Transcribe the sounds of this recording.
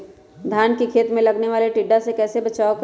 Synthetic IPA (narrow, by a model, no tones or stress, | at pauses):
d̪ʱjaːnkikʰeːt̪mẽlɐɡneʋaːleʈiɖːasekɛːsebɐt͡ʃaːok